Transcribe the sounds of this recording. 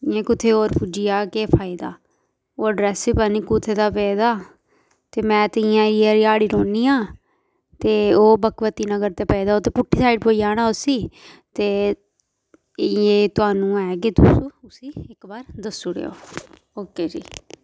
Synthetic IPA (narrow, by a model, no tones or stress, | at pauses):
ãːkʊt̪ʰeːoːɾpud͡ʒijaːkeːpʰaːɪd̪a̰ː | oːɖɾɛːsiːpaniːkʊt̪ʰːeːd̪aːpɛːd̪aː | t̪eːmɛ̃ːt̪ɪɪjãːiaːɾiːaːɽiːɾoːniːãː | t̪eːoːbəkʋət̪iːnãːɡəɾt̪eːpɛːd̪aːoːt̪eːpʊʈʰːiːsaːɪɖpoːijaːñaːʊsiːt̪eː | jeːt̪ʊaːnũːɛːket̪usũːʊsiːɪkbaːɾd̪əsːʊɽḛːo̰ː | oːkeːd͡ʒḭː